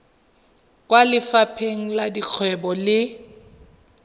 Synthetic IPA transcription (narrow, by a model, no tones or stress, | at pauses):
kʼwalɪfapʰeŋ̩ladik͡xʰwɛbɔlɪ